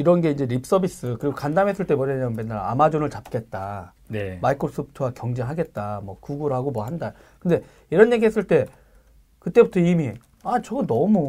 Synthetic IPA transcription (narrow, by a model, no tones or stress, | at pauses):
iɾʌnɡe̞ind͡ʑe̞ɾip̚s͈ʌbis͈ɯkɯɾiɡokandamɦes͈ɯɭt͈e̞bʌɲaɲamɯnme̞nːaɾa̰a̰mad͡ʑonɯɭt͡ɕap̚k͈e̞t̚t͈a | nemaikʰos͈ʰɯp̚tʰɯwakjʌŋd͡ʑe̞ŋɦaɡe̞t̚t͈amwʌkuɡuɾɦaɡomwʌɦanda | kɯnde̞ | iɾʌnje̞ɡiɦe̞s͈ɯɭt͈e̞ | kɯt͈e̞butʰʌimi | at͡ɕʌɡɯnʌmu